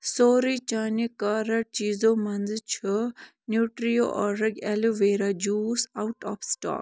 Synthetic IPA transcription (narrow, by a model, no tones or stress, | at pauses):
soːɾit͡ʃanikɐɾɐʈ̚t͡ʃiːzomɐnd͡zɨt͡ʃʰɨ | njuːʈɾijo̰ʔɔɾɐɡʲɛluʋeːɾad͡ʒuːsawʈɔːpsʈa̰ːk